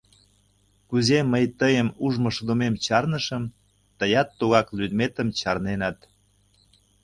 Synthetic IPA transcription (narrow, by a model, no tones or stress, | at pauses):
kuzeməjt̪əjəmuʒmɤʃə̆d̪omemt͡ɕɑrnəʃəm | t̪əjɑt̪ːoɣɑklyd̪met̪əmt͡ɕɑrnenɑt̪